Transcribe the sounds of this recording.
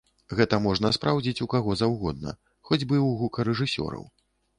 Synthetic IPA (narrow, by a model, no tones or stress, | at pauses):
ɣɛt̪ɐmɔʐnɐspɾawd͡zʲit͡sʲukaɣɔzawɣɔd̪̚nɐ̰ | xɔd͡zʲbɨwɣukɐɾɛʐɨsʲɔ̰ɾɐ̰w